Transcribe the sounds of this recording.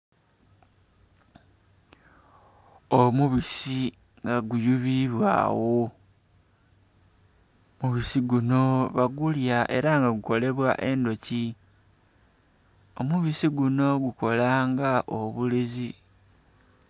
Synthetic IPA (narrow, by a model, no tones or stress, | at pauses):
omuβisi | ŋɡaɡujuβiβwa̰ːwo | muβisiɡuno̞βaɡuljaʔe̞̰ɾaŋɡaɡuko̞le̞βwa̰ʔe̞ndo̞ci | o̞muβisiɡuno̞ɡuko̞laːŋɡaʔoβulezi